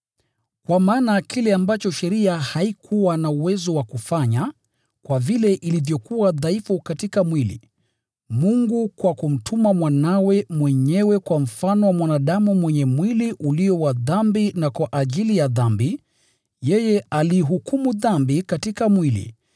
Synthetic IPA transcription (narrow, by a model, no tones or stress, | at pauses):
kwamaːnakilɛambat͡ʃɔʃɛɾiahaikʰuwanauwɛzɔwakufaɲa | kwavilɛʔilivjɔkuwaðaifukatikamwilḭ | muŋɡukwakum̩tʰumamwanawɛmwɛɲɛwɛkwam̩fanɔwamwanaɗamumwɛɲɛmwiliʔuliɔwaðambinakwaʔaʄilijaðambi | jɛjɛaliːɦukumuðambikatikamwilḭ